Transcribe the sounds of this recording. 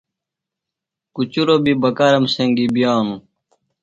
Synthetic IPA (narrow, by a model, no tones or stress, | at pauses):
kut͡ɕuɾobibɐkaɾɐmseŋɡibijaːnũ